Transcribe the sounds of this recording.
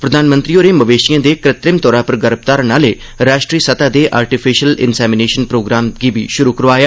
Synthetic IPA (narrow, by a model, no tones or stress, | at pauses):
pɾəd̪aːnmənt̪ɾiːoːɾeːməʋeːʃijãːd̪eːkɾɪt̪ɾɪmt̪ɔːɾãːpəɾɡəɾəp̚t̪aːɾnaːleː | ɾaːʃʈɾiːsət̪aːd̪eːʔaːɾʈɪpʰɪʃəlɪ̰nsɛːmɪneːʃənpɾoːɡɾaːmɡiːbiːʃʊɾuːkəɾʋaːjaː